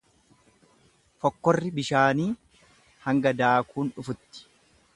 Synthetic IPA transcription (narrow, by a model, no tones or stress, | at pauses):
fɔkːɔrːɪbɪʃaːniː | hɐŋɡɐd̪aːkʰuːnᶑʊfʊt̪ːɪ̥